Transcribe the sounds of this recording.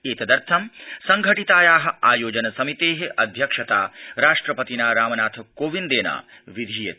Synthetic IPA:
eːt̪ɐd̪ɐɾt̪ʰɐmsɐŋɡʱɐʈit̪aːjaːɦɐ̆aːjoːd͡ʒɐnɐsɐmit̪eːɦeɐd̪ʱjɐkʂɐt̪aːɾaːʂʈɾɐpɐt̪inaːɾaːmɐnaːt̪ʰkoːʋind̪eːna̰ː | ʋid̪ʱiːjɐ

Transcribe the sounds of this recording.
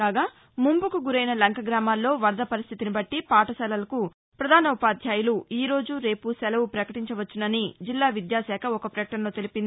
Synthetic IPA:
kaːɡaː | mumbukuɡuɾɐjnɐlɐŋkʰɐɡɾaːmaːlːo̞ːʋɐɾd̪ɐpɐɾist̪ʰit̪inibɐʈːipaːʈɐsɛlɐlɐku | pɾɐd̪ʱaːnɐupaːd̪ʱjaːjuluiːɾo̞ːd͡ʒuɾe̞ːpusɛlɐwupɾɐkɐʈiɲt͡ʃɐʋɐt͡ʃːunɐnid͡ʒilːaːʋid̪jaːsɛːkʰɐɔkɐpɾɛk̚ʈɐnloːt̪e̞lipind̪i

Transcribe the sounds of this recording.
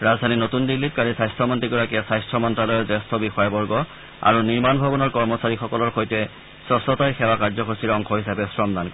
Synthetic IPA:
ɹazdʱaninotundilːit̚kaɹisajstʰɔmɔntiɡɔɹakijasajstʰɔmɔntɹalɔjɔzɛstʰɔbixɔjabɔɹɡɔ | a̰ɹuniɹmanbʱɔbɔnɔɹkɔɹmɔsaɹixɔkɔlɔɹxojtɛ | sɔsɔtajxɛwakaɹzɔkɔsiɹɔŋxʰɔɦisapɛsɹɔmdankɔ

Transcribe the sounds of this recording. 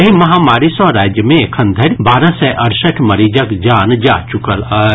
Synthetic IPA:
ɦimɐɦaːmaːɾisɔːɾaːd͡ʒjəmẽekʰɐ̃nd̪ʱəɾʲbaːɾə̃sɛʔɐɾsəʈʰmɐɾiːd͡ʒəkd͡ʒaːnd͡ʒa̰ːt͡ʃʊkəla

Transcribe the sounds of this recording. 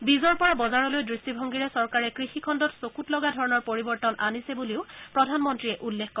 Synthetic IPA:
bizɔɹpɔɹabɔzaɹɔlojdɹistibʱɔŋɡiɹɛsɔɹkaɹɛkɹixikʰɔndɔtsokutlɔɡadʱɔɹɔnɔɹpoɹibɔɹtɔnanisɛbuliʊpɹɔdʱanmɔntɹiɛʔulːekkɔ

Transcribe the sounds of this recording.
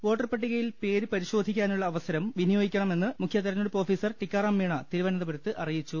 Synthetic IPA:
ʋo̞ːʈːɐrpɐʈːiɣɐjilpeːɾɨpɐɾiɕo̞ːd̪ʱikʲːaːnuɭːɐːʋɐsɐɾɐmʋinijo̞ːɡikʲːɐɳɐme̞nːɨmukʰjɐt̪ːɐɾɐnoɽupo̞ːfiːsɐrʈikʲːarɐmːiːɳɐt̪iɾuʋɐnɐðɐpɐɾɐt̪ːɨʔɐrijit͡ɕːu

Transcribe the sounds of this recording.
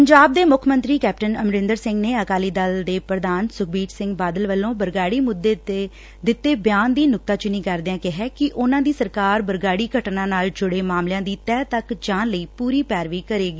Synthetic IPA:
pəɲd͡ʒaːb̚d̪eːmʊkʰmə̃nt̪ɾiːkɛːp̚ʈənəmɾɪ̃nd̪əɾsɪ̃ŋɡneːəkaːliːd̪əld̪eːpɾəd̪aːnsʊk̚ʰbiːʈsɪ̃ŋɡbaːd̪əlʋəlːõːbəɾɡaːɽiːmʊd̪ːeːt̪eː | d̪ɪt̪ːeːbɪjaːnd̪iːnʊk̚t̪aːt͡ʃʊniːkəɾd̪eãːkɪɦɛːkɪʔʊnãːd̪iːsəɾkaːɾbəɾɡaːɽiːɡʱəʈnãːnaːld͡ʒʊɽeːmaːmljãːd̪iːt̪ɛːt̪əkd͡ʒaːnləiːpuːɾiːpɛːɾʋiːkəɾeːɡiː

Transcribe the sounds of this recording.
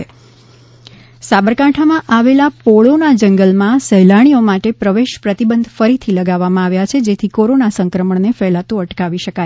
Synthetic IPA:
sabəɾkãʈʰamãʔaʋelapoɭonad͡ʒəŋɡəlmãsəɦjlaɽ̃iomaʈepɾəʋeʃpɾət̪ibənd̪ʱfəɾit̪ʰiləɡaʋːamãaʋjat͡ʃʰed͡ʒet̪ʰikoɾonasəŋkɾəməɳnefɛlat̪ũəʈkaʋiʃəka

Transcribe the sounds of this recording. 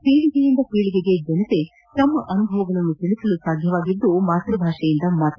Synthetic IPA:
piːɭiɡejind̪ɐpiːɭiɡeɡe̞d͡ʒɐnɐt̪e̞ | t̪ɐmːɐʔɐnubʱɐʋɐɡɐɭɐnːut̪iɭisɐlusaːd̪ʱjɐʋaːɡid̪ːumaːt̪ɾɐbʱaːʂɐjind̪ɐmaːt̪u

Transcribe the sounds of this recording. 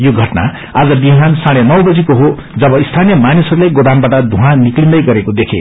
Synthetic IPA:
joɡʱʌʈna̰ | ad͡zʌbiɦansaɽ̃enʌwbʌd͡zikoɦo | d͡zʌbʌist̪ʰanijʌmanisʌɾulejɡod̪anbaʈʌd̪ʱuɦãniklind̪ʌjɡʌɾekod̪ekʰḛ

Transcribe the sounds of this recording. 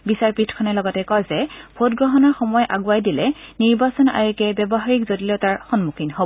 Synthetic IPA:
bisaɹpitʰkʰɔnɛlɔɡɔtɛkɔjzɛbʰʱotɡɹɔɦɔnɔɹxɔmɔjʔa̰ɡuajdilɛniɹbasɔna̰jukɛbɛbɔɦaɹikzodilɛʊtaɹxɔnmukʰinɦobɔ

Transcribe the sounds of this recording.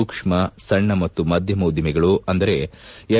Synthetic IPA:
ukʂmɐsɐɳːɐmɐt̪ːumɐd̪ʱjɐmuːd̪ʱjimɛɡɐɭuɐnd̪ɐɾe̞ɛ

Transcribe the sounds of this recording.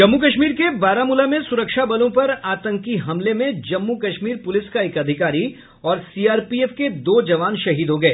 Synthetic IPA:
d͡ʒɐmːukɐʃmiːɾkebaːɾamʊlamẽsʊɾəkʃabɐlõpɐɾaːt̪ə̃ŋkiɦɐmlemẽd͡ʒɐmːukɐʃmiːɾpʊlɪskaeːkɐd̪ʱɪkaːɾi | ɔːɾsiːaːɾpieːfked̪oːd͡ʒɐʋaːnʃɐɦiːd̪ɦoɡɐeː

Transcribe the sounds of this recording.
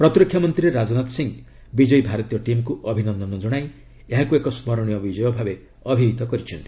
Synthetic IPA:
pɾɔt̪ɾikʰːjɔmɔnt̪ɾiɾeɾad͡ʒɔnat̪siŋ | bid͡ʒɔibʱaɾɔt̪ijɔʈimkuʔɔbʱinɔnd̪ɔnɔd͡ʒɔɽ̃aj | eɦakuekɔsmɔɾɔɽ̃ijɔbid͡ʒɔjɔbʱabe | ɔbʱiɦit̪ɔkɔɾit͡ʃʰɔnt̪i̥

